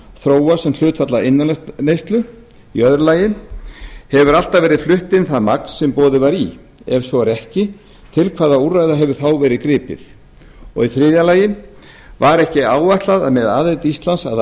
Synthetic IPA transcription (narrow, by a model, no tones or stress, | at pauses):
θɾoːwḁsɛml̥ʏːt̪fat̪laɪnːanejst̪lʏ | ḭœðɾlaːjɪn | hɛvʏɾal̥t̪avɛːɾɪðflʏht̪ɪnθaðmakn̥sːɛmpɔːðɪvaɾi | ɛɾ̥svɔɾɛhcɪ | t̪ʰɪlkʰvaːðaurajðaɦɛvʏɾ̥θawvɛːɾɪðkɾɪːpɪ̰ð | ɔ̰ɣiθɾɪːðjalaːjɪn | vaɾɛhcɪaːwvaht̪laða̰ðmɛðaːðet̪ist̪lansað